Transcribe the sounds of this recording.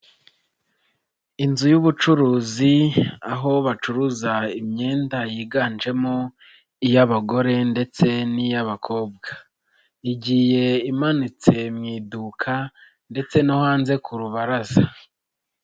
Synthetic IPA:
inzujuβut͡ʃuɾuːziaɦo̞βat͡ʃuɾuzaimɲe̞ːndajiːɡaːnd͡ʒe̞mo | ijaβaɡo̞ɾe̞nde̞t͡se̞nijaβakʰo̞ːb̚ɡa | iɟihe̞imanit͡se̞mŋiːdukʰa | nde̞t͡se̞nohaːnze̞kuɾuβaɾaza

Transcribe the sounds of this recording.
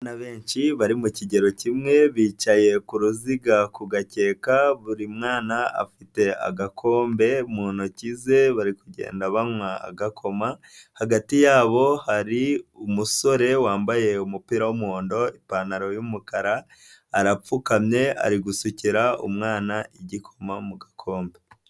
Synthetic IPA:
anaβeːnt͡ʃiβaɾimuciɟe̞ɾo̞cimŋe̞βiːt͡ʃaje̞kuɾuziɡakuɡace̞ːkaβuɾimŋaːnaa̰fite̞a̰ɡakʰo̞ːmbe̞muːnocize̞βaɾikuɟḛːndaβamŋaa̰ɡakʰo̞ma | haɡatijaːβo̞haɾiumuso̞ɾe̞waːmbaje̞umupiːɾawumuhoːndo̞ipanaɾo̞jumukaɾaː | ɾap͡fukamɲe̞a̰ɾiɡusuciɾaṵmŋaːnaiɟikʰo̞mamuɡakʰo̞ːmbe̞

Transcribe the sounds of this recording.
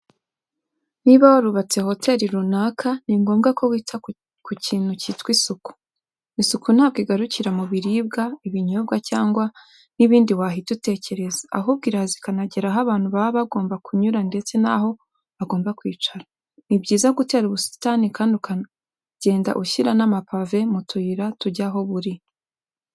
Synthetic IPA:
niβawaɾuβat͡se̞ho̞te̞ɾiɾunaːkʰaniŋɡo̞ːmɡakʰo̞wiːtʰa | kuciːnucitwisuku̥ | isukun̥haːbɡiɡaɾuciɾamuβiɾib̚ɡaiβiɲob̚ɡacaːŋɡwa | niβiːndiwaːɦitute̞ːce̞ɾe̞zaa̰ɦob̚ɡiːɾazikanaɟe̞ɾaɦaβaːn̥huβaβaβaɡo̞ːmbakʰuɲuɾande̞t͡se̞naɦo̞ | aɡo̞ːmbakwiːt͡ʃaɾa | nibɟiːzaɡute̞ːɾuβusi̥tanikaːnduka | ɟe̞ːnda̰ʔuʃiɾanamapave̞mutuiɾatuɟaɦo̞βuɾi

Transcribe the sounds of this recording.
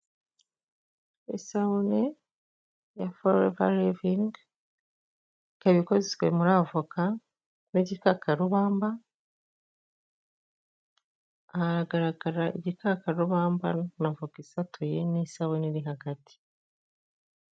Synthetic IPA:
ḛsaβune | jafoɾḛva̰ɾeviŋɡ | kaβikozesɡwemuɾavuka | neɟikakʰaɾuβaːmba | ɾaɡaɾaɡaɾaʔḭɟikakaɾuβaːmba̰navukisatʰujenisaβuniɾiɦaɡati̥

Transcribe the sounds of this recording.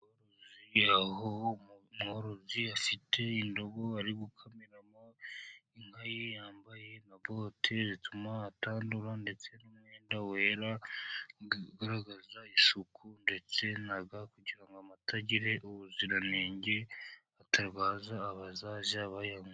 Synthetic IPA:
oɾoziahomuhoɾoziafitʰe̞indo̞ɡo̞aɾiɡukʰamiɾamoiŋ̥hajejaːmbaje̞nabo̞tʰezitumaːtaːnduɾande̞t͡se̞numŋeːndawe̞ːɾa | ɡaɾaɡazaiʃukʰunde̞t͡se̞naɡakuɟiɾaŋɡoamatʰaɟiɾe̞ʔuβuziɾaneːɲɟe̞ | atʰaɾβaːzaːβazaʒaβajaŋ

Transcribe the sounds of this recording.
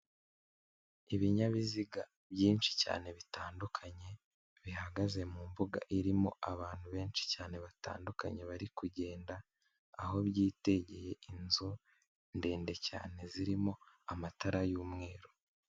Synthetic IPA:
iβiɲaβiziɡa | bjiːnt͡ʃi̥ca̰ːne̞βitaːndukʰaɲe̞ | βiɦaɡaze̞mumbuɡa̰ʔiɾimo̞ʔaβaːn̥huβe̞ːnt͡ʃi̥caːne̞βata̰ːnduka̰ɲe̞βaɾikuɟe̞ːndaː | ɦo̞βjiːte̞ɟe̞je̞inzo | ndeːnde̞ca̰ːne̞ziɾimo̞ | amataɾajuːmŋe̞ːɾo

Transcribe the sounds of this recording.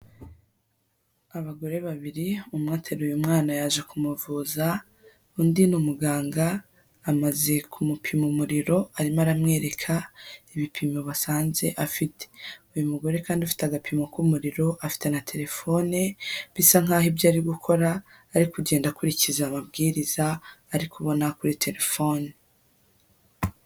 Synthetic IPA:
aβaɡo̞ɾe̞βaβiɾiumŋaːtʰeɾujumŋaːnajaʒekumuvuza | undinumuɡaːŋɡaː | maze̞kʰumupʰimumuɾiɾo̞aɾimaɾamŋe̞ːɾe̞kʰaiβipʰimoβasaːnze̞̰ʔafitʰe̥ujumuɡo̞ɾe̞kaːndufi̥taɡapʰimokumuɾiɾo̞ʔafi̥tenatʰe̞ɾe̞fo̞neβisaŋ̥aːhibjaːɾiɡukʰo̞ɾaː | ɾikuɟe̞ːndakuɾicizamabɡiːɾizaːɾikuβo̞nakuɾitʰe̞ɾe̞fo̞ːne

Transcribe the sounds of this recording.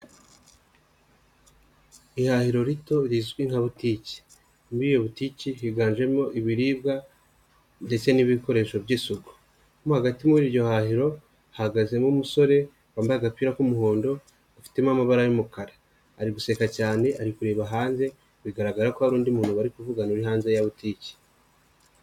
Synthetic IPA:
ihahiɾo̞ɾito̞ɾizɡwiŋ̥haβutici̥ | miːjo̞βutiːciɦiɡaːɲʒe̞mo̞ʔiβiɾiːbɡa | nde̞t͡se̞niβiko̞ɾe̞ːʃo̞βɟisuɡo | mohaɡatimuwɾiɾɟo̞hahiɾo̞ | haɡaze̞mumuso̞ɾe̞ | βaːmbaaɡakwiːɾakumuho̞ːndo̞ | afi̥te̞mamaβaɾajumukaɾaː | ɾiɡuse̞kacaːne̞ʔaɾikuɾe̞ːβaɦaːnze̞ | βiɡaɾaɡaɾakoaɾuːndimuːnhuβaɾikuvuɡanuɾiɦaːnze̞jaβutiːci̥

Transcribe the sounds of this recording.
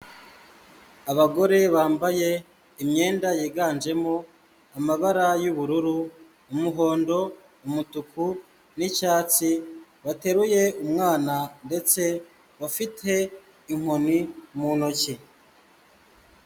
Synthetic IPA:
aβaɡo̞ɾe̞βaːmbaje̞ | imɲe̞ːndajiːɡaːnd͡ʒe̞mo | amaβaɾajuβuɾuɾuː | muɦo̞ːndo̞ | umutukʰu | nit͡ʃaːt͡siβate̞ɾuje̞umŋaːnande̞t͡se̞ | βafitʰe̞ | iŋ̥honimunoci

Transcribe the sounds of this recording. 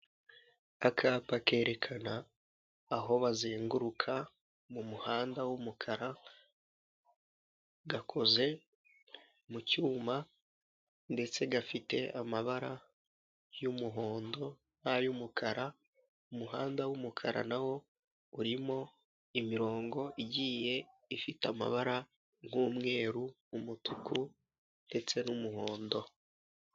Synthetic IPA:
akʰaːpake̞ːɾe̞kʰanaː | ɦo̞βazeːŋɡuɾukʰa | mumuhaːndawumukʰaɾa | ɡakʰo̞ze̞ | mucuːma | nde̞t͡se̞ɡafite̞̰ʔamaβaɾa | jumuɦo̞ːndo̞ | najumukʰaɾa | umuɦaːndawumukʰaɾʔa̰nawo̞ | uɾimo̞ | imiɾo̞ːŋɡo̞ʔiɟiːje̞ | ifitama̰βaɾa | ŋ̥huːmŋe̞ːɾuː | mutʰukʰu | nde̞t͡se̞numuɦo̞ːndo̞

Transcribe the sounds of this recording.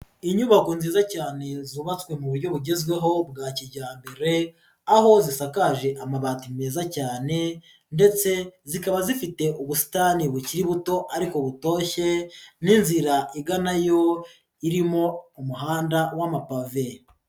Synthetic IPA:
iɲuβako̞nziːzacaːne̞zuβat͡skwe̞muβuɾɟo̞βuɟe̞zɡwe̞ɦo̞bɡaːciɟaːmbeɾe̞ | aho̞zisakaʒe̞ʔamaβaːtime̞ːzacaːne̞ | nde̞t͡se̞zikaβazifite̞ʔuβusi̥taniβuciɾiβuto̞ʔaɾiko̞βuto̞ːçe̞ninziɾaʔiɡanajo̞ | iɾimo̞umuɦaːndawamapave̞

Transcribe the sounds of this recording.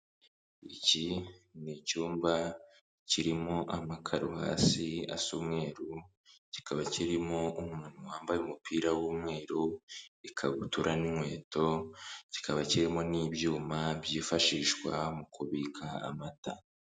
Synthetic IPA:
ḭcinicuːmba | ciɾimo̞ʔamakʰaɾuha̰ːsia̰suːmŋe̞ːɾu | ci̥kʰaβaciɾimo̞umŋuːnowaːmbajumupʰiːɾawuːmŋe̞ːɾuikʰaβutuɾʔanimŋwe̞ːto̞ci̥kʰaβaciɾimo̞niːbjuːmabjiːfaʃiʃwa̰mukuβikʰa̰ːmata̰

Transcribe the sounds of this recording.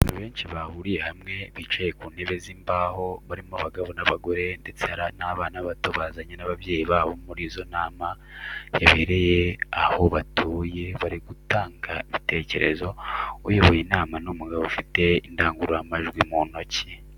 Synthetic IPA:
naβe̞ːnt͡ʃiβahuɾije̞hamŋe̞βiːt͡ʃaje̞kuːne̞βe̞ziːmbaːho̞βaɾimoβaɡaβo̞naβaɡo̞ɾe̞nde̞t͡sehaɾanaβaːnaβatoβaːzaɲenaβaβje̞ːjiβaːβomuɾiːzo̞naːma | jaβe̞ːɾe̞je̞aho̞βatʰuːje̞βaɾiɡutaːŋɡaiβite̞ce̞̰ɾe̞̰zo̞ṵjoβojinaːmanomuɡaβoufite̞indaːŋɡuɾoamaʒɡwimuno̞cʰe

